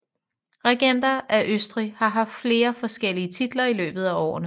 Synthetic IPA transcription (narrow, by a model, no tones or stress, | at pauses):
ʁeɡ̥en̰d̥ɐʔæʔøsd̥ʁihɑ̈ɦɑ̈fd̥fle̝ːɐfɒ̽sɡ̥el̰iət͡sʰid̥lɐilø̰ːb̥ð̞̩ˠæɒ̰ːnə